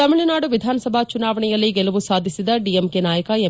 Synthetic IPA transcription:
ɐmiɭɐnaːɽuʋid̪ʱaːnɐsɐbʱat͡ʃunaːʋɐɳɛjɐlːiɡɛlɐʋusaːd̪ʱisid̪ɐɖiemkenaːjɐkɐe

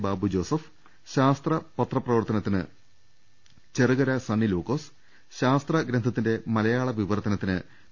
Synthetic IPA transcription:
baːbud͡ʑo̞ːsɐf | ɕaːst̪rɐpɐt̪rɐprɐʋɐrt̪ɐnɐt̪ːinɨ | t͡ɕerɨɣɐɾɐsɐnːiloːkːoːs | ɕaːst̪rɐɡɾend̪ʱɐt̪ːinde̞mɐlɐjaːɭɐʋiʋɐrt̪ɐnɐt̪ːinɨ

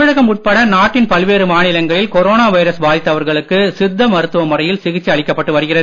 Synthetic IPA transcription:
ɐɻɐɣɐmʊʈ̚pɐɽɐnaːʈːɪnpɐlʋeːɾɯmaːɳɪlɐŋɡɐɭɪlkɔɾoːnaːʋɐɪɾɐsʋaːðɪt̪ːɐʋɐɾɣɐɭɯkːɯsɪd̪ːɐmɐɾɯt̪ːɯʋɐmʊrɐjɪlsɪɣɪt͡ʃːiɐɭɪkːɐpːɐʈːɯʋɐɾɯɣɪrɐðɯ

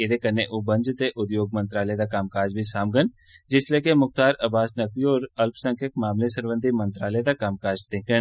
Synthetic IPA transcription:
ed̪ekɐɾneʔʊbə̃nd͡ʒt̪eʔʊd̪joːɡ̚mə̃nt̪ɾaːled̪akaːmkaːd͡ʒbʱisaːmɡən | d͡ʒɪsleːkemʊxt̪aːɾɐbaːsnɐkʋiɔːɾɐlpsɐ̃ŋkʰək̚maːmlesɐɾʋə̃nd̪ʱimɐ̃nt̪ɾaːled̪akaːmkaːd͡ʒt̪ẽkə

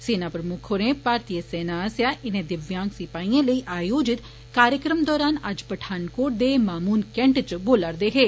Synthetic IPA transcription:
seːnaːpɾəmʊkʰoɾẽpaːɾt̪ijəseːnaːəsjaːʔɪnẽːd̪ɪʋjãːŋɡsɪpaːĩːẽːləiːʔaːjoːd͡ʒɪt̪ | kaːɾjəkɾəmd̪ɔːɾaːnɐd͡ʒpəʈʰaːnkoːʈ̚d̪eːmaːmuːnkɛ̃ɳʈt͡ʃboːlaɾd̪eːɦeː

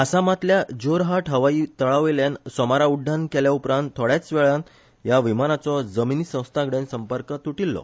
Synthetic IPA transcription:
əsamat̪ljad͡ʑoɾɦaʈɦəʋaiːt̪əɭaʋeljansɔmaɾauɖʱːankeljaupɾãnt̪ʰːoɽjat͡sʋɛɭãn | jaʋimanat͡sɔd͡zəminisə̃w̃st̪ʰaɡɽẽnsəmpəɾkət̪uʈilːɔ̰

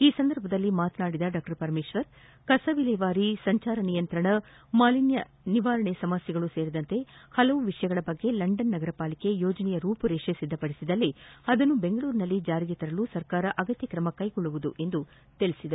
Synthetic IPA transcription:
iːsɐnd̪ɐɾbʱɐd̪ɐlːimaːt̪naːɽid̪ɐɖaːk̚ʈɐɾpɐɾmiːʃʋɐɾ | kɐsɐʋilɐʋaːɾisɐɲt͡ʃaːɾɐnijɐnt̪ɾɐɳɐ | maːlinjɐ | niʋaːɾɐɳesɐmɐsjɐɡɐɭuse̞ːɾid̪ɐnt̪e̞hɐlɐʋuʋiʂɐjɐɡɐɭɐbɐɡːe̞lɐɳɖɐnːɐɡɐɾɐpaːlike̞joːd͡ʒɐnɛjɐɾuːpuɾeːʂesid̪ʱːɐpɐɽisid̪ɐlːiɐd̪ɐnːube̞ŋɡɐɭuːɾinɐlːid͡ʒaːɾiɡet̪ɐɾɐlusɐɾkaːɾɐʔɐɡɐt̪jɐkɾɐmɐkɐjɡɔɭːuʋud̪uʔe̞nd̪u | t̪eɭisid̪ɐɾu

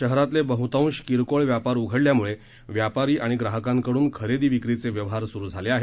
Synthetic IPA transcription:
əɦɾat̪lebəɦut̪aũɕkiɾkoɭʋjapaɾuɡʱəɽljamuɭe | ʋjapaɾiːʔaɽ̃iɡɾaɦəkãŋkəɽuːnkʰəɾed̪iːʋikɾit͡seʋjəʋɦaɾsuɾuːd͡zʱaleaɦe

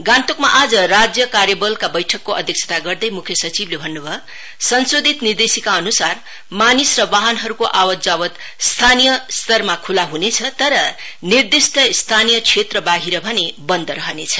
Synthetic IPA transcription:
ɡãnt̪okmaʔad͡zʌrad͡zjʌkarjʌbʌlkabʌjʈʰʌkːoʔʌ̰d̪ʱjʌk̚t͡sʰʌ̥t̪aɡʌrd̪ʌjmukʰjʌsʌt͡siblebʱʌnːubʱʌ | sʌnsod̪ʱit̪nird̪esikaʌnusar | manisrʌbaɦʌnɦʌɾukoʔawʌd͡zawʌt̪ | st̪ʰanijʌst̪ʌrmakʰulaɦunet͡sʰʌt̪ʌɾʌ | nird̪isʈʰʌst̪ʰanijʌt͡sʰet̪rʌbaɡiɾʌbʱʌnebʌnd̪ʌɾʌɦʌnet͡sʰʌ̥

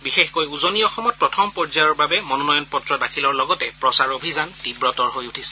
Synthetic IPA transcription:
bixexkojuzoniɔxɔmɔt̚pɹɔtʰɔmpɔɹzajɔɹbabɛmɔnɔnɔjɔnpɔtɹɔdakʰilɔɹlɔɡɔtɛpɹɔsaɹobʱizantibɹɔtɔɹɦojutʰisɛ̥

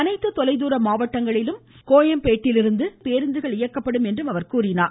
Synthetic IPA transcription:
ɐnɐɪt̪ːɯt̪ɔlɐɪðuːɾɐmaːʋɐʈːɐŋɡɐɭɪlɯm | koːjɐmpeːʈːɪlɪɾɯnd̪ɯpeːɾɯnd̪ɯɣɐɭɪjɐkːɐpːɐɽɯmɛndrɯmɐʋɐɾkuːɾɪnaː

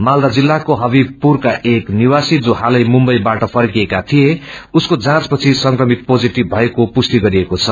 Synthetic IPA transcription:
mald̪ad͡zilːakoɦʌbipurkaʔekniwasid͡zoɦalʌjmumbʌjbaʈʌpʰʌrkiekat̪ʰijeuskod͡zãt͡spʌt͡sʰisʌŋkrʌmit̪̚pod͡ziʈibbʱʌekopust̪iɡʌɾiekot͡sʰʌ

